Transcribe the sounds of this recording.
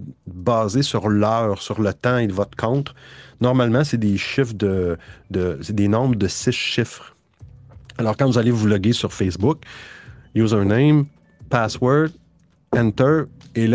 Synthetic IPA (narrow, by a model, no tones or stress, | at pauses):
bɑːzesyʁlœːʁsyʁlət̪ɑ̃evɔt̪kʰɔ̃ʊt̪χnɔʁmalmɑ̃sed̪eʃɪfd̪əd̪əsed̪enɔ̃bʁəd̪əsɪsʃɪfχ | alɔːʁkɑ̃vuzalevulɔɡʲesyʁfɛsbʊk | juːzɛ̃nẽjm | paswɜ˞d̪ | ɛ̃nt̪ə˞el